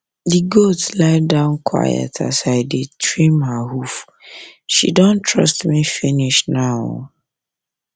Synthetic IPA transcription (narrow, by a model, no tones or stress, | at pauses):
diɡotslaɪdãʊ̃nkʰwa̰jə̰tʰa̰saɪdetʰɹĩmhahuf | ʃḭdɔ̃ntʰɹɔ̰stmifiniʃnaʊ